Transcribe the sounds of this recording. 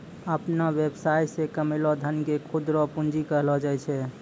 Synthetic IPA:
əpnawebsajsekəmelɔd̪ʱənkekʰud̪ɾɔpund͡ʒikəɦlɔd͡ʒaɛt͡ʃʰɛ

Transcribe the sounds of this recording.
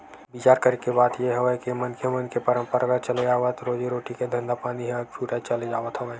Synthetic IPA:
bit͡ʃaːɾkɐɾikebaːd̪jeɦɐʋəkimɐnkemɐnkepɐɾə̃mpəɾaɡat͡ʃɐled͡ʒaːʋət̪ɾoːd͡ʒiɾoːʈiked̪ʱɐ̃nd̪apaːniɦɛt͡ʃʰuːʈat͡ʃɐled͡ʒaːʋət̪ɦɐʋəː

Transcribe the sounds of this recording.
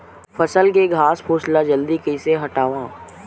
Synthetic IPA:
pʰəsəlk̬eɡʱaːspʰoːʃlad͡ʒəld̪ikəɪseɦɐʈaːʋãː

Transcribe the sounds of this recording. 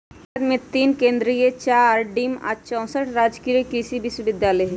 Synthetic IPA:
d̪mẽt̪iːnkẽːnd̪ɾiet͡ʃaːɾɖiːma̰t͡ʃɔ̃ːsəʈʰɾaːd͡ʒkijəkisibɪswəbɪd̪jaːlə

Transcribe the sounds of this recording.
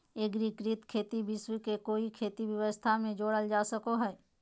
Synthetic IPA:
eɡɾikɾɪt̪kʰeːt̪ibɪswikekoːikʰeːt̪iʋjəʋəst̪ʰamẽd͡ʒoːɽəld͡ʒaːsəkoɦɛː

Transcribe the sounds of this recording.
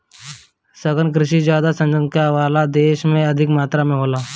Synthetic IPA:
səɡənk̬ɾɪʃid͡ʒjaːd̪asə̃nd͡ʒənkaʋaːlad̪eːʃmẽɐd̪ʱɪkmaːt̪ɾamẽɦoːlaː

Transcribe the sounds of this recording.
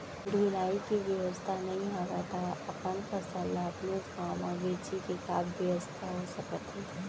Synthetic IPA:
duːlaːikiʋjɐʋəst̪ʰanɐɦĩɦaːɡat̪ʰaɐpənkəsəlːaɐpnekaːmãbeːt͡ʃikekaːbʋjɐʋəst̪ʰaɦosɐkət̪ɦɛː

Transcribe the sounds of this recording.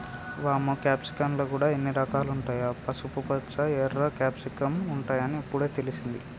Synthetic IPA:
ʋaːmukaːpsi̥kɐmlo̞ːkuːɽaːenːiɾɐkaːluɳʈaːjapɐsupupɐtːt͡ʃːɐɛɾːɐkaːpsikɐmuɳʈaːjɐniːpːuɽeːt̪elisind̪ḭ

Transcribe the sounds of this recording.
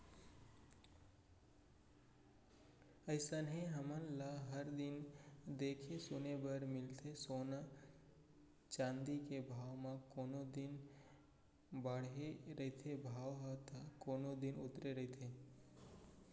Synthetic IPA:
əɪsənɦẽɦəmənlaɦəɾd̪ɪnd̪eːkʰesʊnebəɾmɪlt̪ʰesoːna | t͡ʃãːnd̪ikebʱaːʋmãkoːnod̪ɪn | bəɽ̤ɦeɾəɦt̪ʰebʱaːʋɦət̪ʰakoːnod̪ɪnʊt̪ɾeɾəɦt̪ʰe

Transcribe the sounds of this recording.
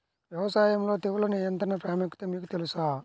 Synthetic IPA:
ʋjɛʋɐsaːjɐmlo̞ːt̪eːʋulɐnijɐnt̪ɾɐnɐpɾaːmɐkːi̥t̪oːmiːkut̪elusaː

